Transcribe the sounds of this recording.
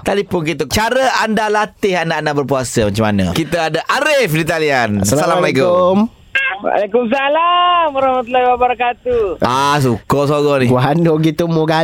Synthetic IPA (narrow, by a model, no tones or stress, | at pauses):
t̪adipʊnkit̪̬ət͡ʃaɾəandalat̪ɪhandaandaʔbərpuasəmat͡ʃamanə̰̃kit̪əadaʔaɾɪfdit̪alianssalammalikum | wa̰lakums̬alamɾahmat̪ulahiwabəɾakat̪uas̬ukɔʔsoɡɔniwanoɡit̪umoɡa